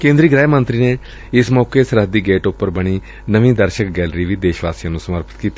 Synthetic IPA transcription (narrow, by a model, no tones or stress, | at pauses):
kẽːnd̪ɾiːɡɾɛːmə̃nt̪ɾiːneː | ɪsmɔːkeːsəɾɦəd̪iːɡeːʈʊpːəɾbəɽ̃iː | nəʋĩːd̪əɾʃək̚ɡɛːlɾiːʋiːd̪eːʃʋaːsijãːnũːsəməɾpɪt̪kiːt̪ːi